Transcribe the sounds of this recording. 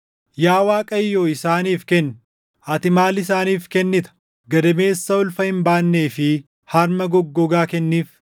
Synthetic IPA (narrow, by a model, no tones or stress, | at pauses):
jaːwaːkʼɐjːoːɪsaːniːfkɛnː | ʔɐt̪ɪmaːlɪsaːniːfkɛnːɪt̪ɐ̥ | ɡɐd̪ɐme̞ːsːɐʊlfɐhɪmbaːnːe̞ːfɪ | hɐɾmɐɡɔɡːɔɡaːkɛnːiːf